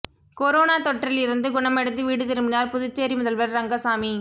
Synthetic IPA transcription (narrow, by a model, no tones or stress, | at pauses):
kɔɾoːnaːt̪ɔʈːrɪlɪɾɯnd̪ɯɡʊɳɐmɛɽɯt̪ːɯʋiːɽɯt̪ɪɾɯmbɪnaːɾpʊðʊt͡ʃːeːɾimʊðɐlʋɐɾɾɐŋɡɐsaːmi